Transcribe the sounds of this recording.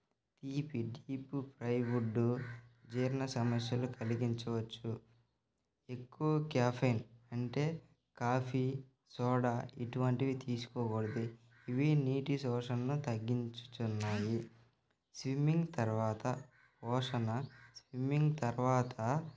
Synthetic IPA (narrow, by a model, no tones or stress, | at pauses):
t̪iːpiɖiːpupɾɐjʋuɖːud͡ʒeːɾnɐsɐmɐsjɐlukʰɐliɡiɲt͡ʃɐʋɐt͡ʃːu | e̞kːuʋɐkɛːpʰɐjnɐɳʈe̞ː | kaːpʰi | sɔːɽɐiʈuʋɐɳʈiʋit̪iːsu̥kɔːɡoɽɐd̪iː | ʋiniːʈisɔːʂɐnɐnut̪ɐɡːiɲt͡ʃu̥t̪unːaːji | sʋimːiŋɡt̪ɐɾʋaːt̪ɐ | pɔːʂɐnɐsʋimːiŋɡt̪ɐɾʋaːt̪ʰɐ